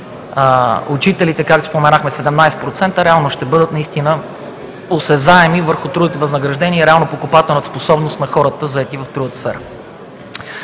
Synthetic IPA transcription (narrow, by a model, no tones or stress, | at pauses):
ʊt͡ʃit̪ɛlit̪ɛkak̚t̪o̥spomɛnaxmɛsɛd̪ɛmnajsɛt̪pɾot̪sɛnt̪əɾɛalˠnoʃt̪ɛbɤd̪ət̪nɐist̪inə | osɛzaɛmivəɾxʊt̪ɾud̪it̪ɛvəznəɡɾɐʒd̪ɛniəɾɛalˠnopokʊpat̪ɛlˠnət̪sposɔbnʊst̪nɐxɔɾət̪əzɐɛt̪ivɐft̪ɾuət̪ə̥sfɛɾ